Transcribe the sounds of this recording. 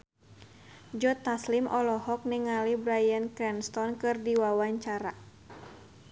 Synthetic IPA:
d͡ʒɔt̪aslimʔɔlɔhɔk̚niŋalibɾajankɾɛnst̪ɔnkɨrdiwawaɲt͡ʃaɾa

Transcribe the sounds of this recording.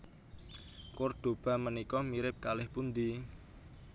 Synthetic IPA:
kʊrd̪̥o̤b̥ä̤mənikɔmiɾɪp̚kalɪhpund̪i

